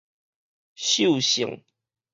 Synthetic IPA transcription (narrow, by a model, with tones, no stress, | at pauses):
ɕjo˥˨ʊɕḭ˨˦ŋ